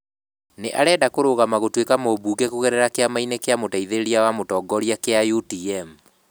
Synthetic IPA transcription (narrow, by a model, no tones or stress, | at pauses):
neʔaɾɛːdakoɾoɣamaɣotwekamoːβuːkekuɣɛɾɛɾakeamainekeamotaiðeɾeɾiawamotɔːɡɔɾjakeajutiɛm